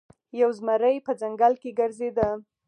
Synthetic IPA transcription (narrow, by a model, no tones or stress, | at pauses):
jawzmaɾəjpəd͡zaŋɡalkeɡəɾzed̪ə